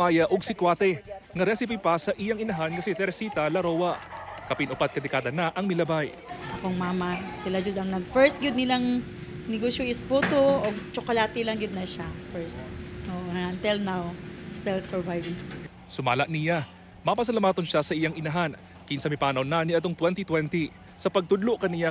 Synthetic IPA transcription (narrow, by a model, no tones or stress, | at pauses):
aːjɐʔoɡ̚sɪkwaːt̪ɛŋɐɾɛsɪpipɐsɐʔijaŋɪnɐɦankɐsɛt̪ɛɾsiːt̪ɐlɐɾoːwɐkɐpɪnʊpat̪̚kɐd̪ɛkaːd̪ɐnaʔɐŋmɪlɐbaj | koŋmamɐsɪlaɡʊd̪ɐŋnɐɡ̚fɛɹst̪̚ɡʊd̪nɪlaŋ | nɪɡoʃjoʔɪspuːt̪oot͡ʃokolaːt̪ɪlɐŋɡʊd̪̚nɐʃafɛɹst̪̚ʔoːʔoɐnt̪ɛlnawst̪ɛlsɛɹvajvɪŋ | sʊmaːlɐʔnɪja | mapɐs̬ɐlamaːt̪onʃasɐʔijaŋɪnɐɦan | kinsɐmɪpaːnɐwnaniʔɐt̪oŋt̪wɛnt̪it̪wɛnt̪i | sɐpɐɡ̚t̪ʊd̪loʔkɐnɪja